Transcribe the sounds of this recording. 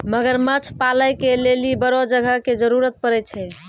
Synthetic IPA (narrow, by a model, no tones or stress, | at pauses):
məɡəɾmət͡ʃʰpaləjkelelibəɾod͡ʒəɡʱəked͡ʒəɾuɾət̪̚pəɾɛt̪̚t͡ʃʰɛ